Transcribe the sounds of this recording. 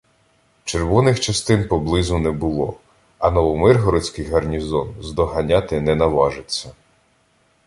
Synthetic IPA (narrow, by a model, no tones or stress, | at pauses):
t͡ʃerʋɔnɪxt͡ʃɐst̪ɪnpɔblˠɪzʊnɛbʊlˠɔ | ɐnɔʋɔmɪrɦɔɾɪt͡sʲkɪjɦɐrnʲizɔnzd̪ɔɦɐnʲat̪ɪnɛnɐʋɑʒet͡sʲːɐ